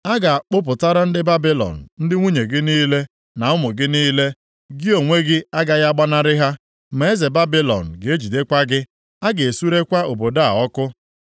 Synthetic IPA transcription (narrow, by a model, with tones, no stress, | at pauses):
a˦ɡa˨k͡pʊ˦p̬ʊ˨ta˦ɾa˦n̩˦dɪ˦ba˦bi˦lɔ̰˨n̩˨n̩˦dɪ˦ŋʷu˦ɲe˨ɡɪ˦niː˦le˦ | na˨ʊ˦mʊ˨ɡɪ˦niː˦le˦ | ɡɪ˦o˨ŋʷe˦ɡɪ˦a˦ɡa˦ɣa˦ɡ͡ba˦na˦ɾɪ˦ɦa˦ | me˨e˦ze˨ba˦bi˦lɔ̰˨n̩˨ɡe˦d͡ʒi˨de˦kʷa˦ɡɪ˦ | a˦ɡe˨e˨su˦ɾe˦kʷa˦o˨bo˨da˦˨a̰˨ɔ˦kʊ˦